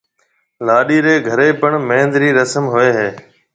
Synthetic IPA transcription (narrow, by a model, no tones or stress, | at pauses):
laːɗiːɾeːɡʱəɾeːpəɳmẽːnd̪ɾiːɾəsəmɦoeːɦeː